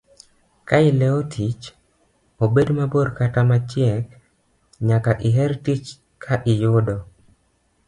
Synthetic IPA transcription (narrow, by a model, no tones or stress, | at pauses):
kaɪlɛotʰit͡ʃ | obedmaboɾkatamat͡ʃjɛk | ɲakaʔɪɦɛɾtit͡ʃ | kʰaʔɪjʊdɔ